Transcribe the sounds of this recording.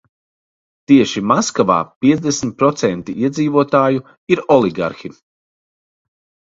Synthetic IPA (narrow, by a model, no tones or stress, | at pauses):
t̪iɛʃimaskava̰ːpiɛzd̪esmʲt̪̚pɾɔt̪sɛnt̪iiɛd̪ziːvuɔt̪aːju | iɾɔlˠiɡa̰ɾxi